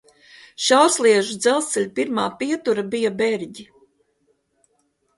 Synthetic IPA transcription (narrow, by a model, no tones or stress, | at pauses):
ʃawɾslˠiɛʒud̪zɛlˠsɛlʲpiɾmaːpiɛt̪uɾabijabɛɾɟi